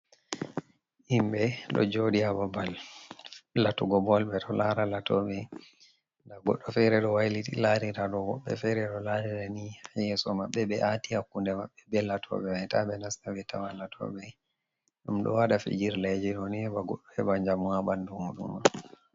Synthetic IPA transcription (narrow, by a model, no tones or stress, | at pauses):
himbɛɗɔ̰d͡ʒoɗiababalː | atuɡɔbɔlbɛɗɔlaɾalatɔɓɛ | ndaɡɔɗːɔfɛɾɛɗɔwajlitilaɾiɾaɗɔwɔɓːɛ̰fɛɾɛɗɔlaɾiɾaniajɛsɔmaɓːɛbɛʔatihakːundɛmaɓːɛbɛlatʰɔ̰ɓɛajtabɛnastavɛta̰walatʰɔ̰ɓɛ | ɗumɗɔ̰waɗafḭd͡ʒiɾlad͡ʒɛɗɔnihɛbaɡɔɗːɔɛbaɲd͡ʒamuabandumuɗṵma